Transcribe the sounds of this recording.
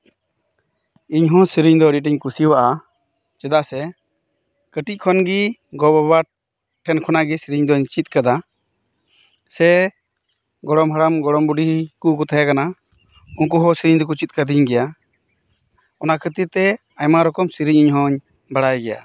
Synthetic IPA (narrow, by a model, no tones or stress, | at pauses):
iɲɦɔ̃siɾiɲd̪ɔəɖiʈ̬iɲkusiwaʔa | t͡ʃɛd̪asɛ | kəʈic̚ˀkʰɔnɡiɡɔbaba | ʈʰːɛnkʰɔnaɡɛsiɾiɲd̪ɔɲt͡ʃit̪̚kad̪a | sɛ | ɡɔɽɔmɦaɽamɡɔɽɔmbuɖikukɔt̪ʰajakana | unk̬uɦɔ̃siɾiɲd̪ɔk̬ut͡ʃit̪̚kad̪iɲɡɛja | ɔnakʰət̪iɾt̪ɛ | ajmaɾɔkɔmsiɾiɲiɲɦɔ̃ɲ | baɽajɡɛja̰